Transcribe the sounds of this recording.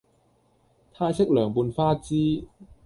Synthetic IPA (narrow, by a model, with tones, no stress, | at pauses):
t̪ʰaː˧jsɪ˥k̚lœː˨˩ŋpuː˧nfaː˥t͡siː˥